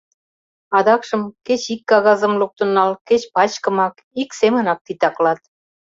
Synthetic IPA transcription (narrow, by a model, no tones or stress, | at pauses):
ɑd̪ɑkʃə̆mket͡ɕikːɑɣɑzə̆mluk̚t̪ŭnːɑlket͡ɕpɑt͡ɕkə̆mɑk | iksemə̆nɑk̚t̪it̪ɑklɑt̪̚